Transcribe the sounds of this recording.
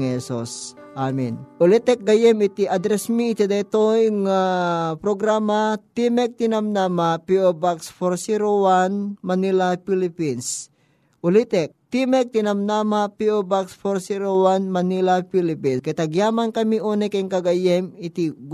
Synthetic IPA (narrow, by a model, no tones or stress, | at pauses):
ŋhɛsos | ʔamɪ̰nʔʊlit̪ɛk̚ɡɐjɛmɪt̪iʔɐd̪ɾɛsmiːt̪id̪ɐt̪ojŋapɾoɡɾaːmat̪imɛk̚t̪ɪnamnamapiobaksfoɾsiɾowanmɐnilapilɪpins | ʔʊlit̪ɛk̚t̪imɛk̚t̪ɪnɐmnamapiobakspoɾsiɾowanmɐnilapilɪpinkɛt̪ɐɡjaːmankɐmiʔoːnɛkɛŋkɐɡajɛmɪt̪i